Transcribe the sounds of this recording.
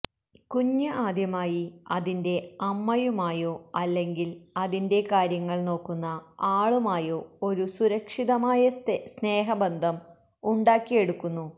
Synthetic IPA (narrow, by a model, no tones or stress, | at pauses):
kuɲːɐʔaːd̪jɐmaːjiɐðinde̞ɐmːɐjumaːjo̞ːɐlːe̞ŋɡilɐðinde̞kaːɾjɐŋːɐɭno̞ːkːunːɐaːɭumaːjo̞ːo̞ɾusuɾɐkʂiðɐmaːjɐsne̞ːɦɐbend̪ʱɐm | uɳɖaːkːije̞ɽukːunːu